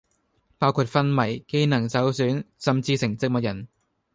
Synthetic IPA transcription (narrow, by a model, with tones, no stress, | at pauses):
paː˥wkʰuː˧t̚fɐ˥nmɐ˨˩jke˥jnɐ˨˩ŋt͡sɐ˨˥wsyː˨˥nsɐ˨mt͡siː˧sɪ˨˩ŋt͡sɪ˧k̚mɐ˨t̚jɐ˨˩n